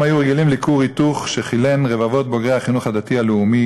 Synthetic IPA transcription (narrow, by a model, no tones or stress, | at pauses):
mhajuʁeɡilimlikuʁit̪uχʃeχilenʁe̞vavo̞t̪̚bo̞ɡʁehaχinuχhad̪at̪ialeumi